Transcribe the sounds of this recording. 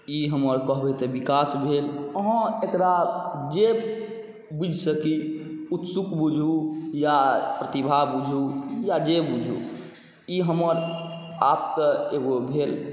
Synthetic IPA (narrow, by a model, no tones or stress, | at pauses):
iɦəməɾkəɦbet̪ebikasbʱeləɦə̃ekɾad͡ʒe | bud͡ʒʱsəkiut̪sukbud͡ʒʱujapɾət̪ibʱabud͡ʒʱujad͡ʒebud͡ʒʱṵ | iɦəməɾap̚keeɡobʱel